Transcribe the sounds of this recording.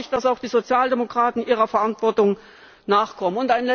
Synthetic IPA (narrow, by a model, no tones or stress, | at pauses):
ɪçtd̥asaʊxd̥iːzot͡sjaːldemokʁ̥aːtn̩ʔiːʁ̞ɐfɛɐʔantv̥ɔɐtʊŋ | naːχkʰɔmənʊntaɪnlɛ